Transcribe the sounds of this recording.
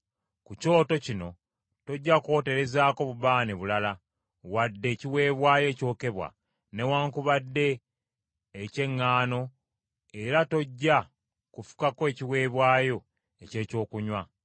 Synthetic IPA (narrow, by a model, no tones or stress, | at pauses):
kuco̞ːto̞cino̞ | to̞ɟːako̞ːte̞ɾe̞zaːko̞βuβaːneβulala | wadːe̞ːciwe̞ːβwaːjo̞ːco̞ːke̞βwa̰ | ne̞waːŋkuβadːe̞ː | ce̞ŋːaːno̞ | e̞ɾato̞ɟːa | kufu̥kakoe̞ːciwe̞ːβwaːjo̞ | e̞ce̞ːco̞ːkuɲwa